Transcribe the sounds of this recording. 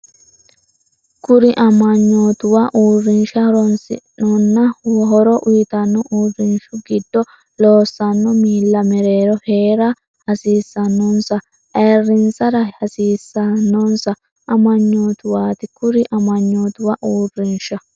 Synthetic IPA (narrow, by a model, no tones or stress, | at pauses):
kʊɾɪʔɐmɐɲːoːt̪ʊwaʔuːrːɪnʃɐhɔɾɔnsɪ̰nɔnːɐɦɔɾɔʔʊjɪt̪ɐnːɔʔuːrːɪnʃʊɡɪd̪ːɔ | loːsːɐnːɔmiːlːɐmɛɾeːɾɔheːɾɐ | hɐsiːsːɐnːɔnsɐ | ʔɛːrːɪnsɐɾɐhɐsiːsːɐnːɔnsɐ | ʔɐmɐɲːoːt̪ʊwaːt̪ɪkʊɾɪʔɐmɐɲːoːt̪ʊwɐʔuːrːɪnʃɐ